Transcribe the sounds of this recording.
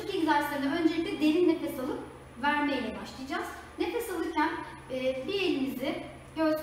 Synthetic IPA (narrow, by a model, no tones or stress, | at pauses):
yɾcemʲizæɾsaɾnd̪abø̞nd͡ʒelʲict̪ʲɛd̪eɾʲinːefɛsalˠɯp̚ | væɾmejnɛbaʃlˠɯjd͡ʒaːz̥ | nefesalˠɯɾcʰænː | bielʲimizɪ | jø